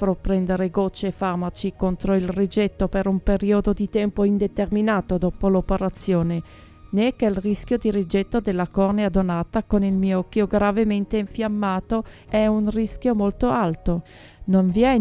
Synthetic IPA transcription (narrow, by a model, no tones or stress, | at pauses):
fɾopːɾɛnd̪eɾeɡot͡ʃːefarmat͡ʃikont̪ɾoilrid͡ʒɛt̪ːopeɾumpeɾiod̪od̪it̪ɛmpoind̪et̪erminaːt̪od̪ɔːpolopeɾat̪sːjoːne | nɛkːelrisk̟jod̪iɾid͡ʒɛt̪ːod̪elːakɔrnead̪onaːt̪akonilmiːoɔkːjoɡɾavement̪eiɱfjamːaːt̪o | ɛunrisk̟jomolt̪oalt̪o | noɱviɛ